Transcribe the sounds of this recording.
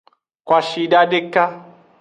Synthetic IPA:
kwa˨ʃi˨da˦de˦ka˦

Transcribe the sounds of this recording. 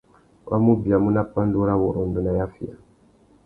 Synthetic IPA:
wʔa̰˦mu˦bi˨a˨mu˦na˦pa˦ndu˦ɾa˦βɔ˨ɾɔ˨ndɔ˨na˨ja˦fi˦a̰˨

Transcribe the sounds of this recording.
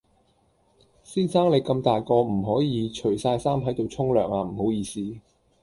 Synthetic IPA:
siː˥saː˥ŋle˨˧jkɐ˧mt̪aː˨jkɔː˧m̩˨˩ɦɔː˨˥jiː˨˧t͡ʃʰɵ˨˩ɥsaː˧jsaː˥mɦɐ˨˥jt̪o˨wt͡sʰʊ˥ŋlœː˨˩ŋaː˧m̩˨˩ho˨˥wjiː˨˧siː˥

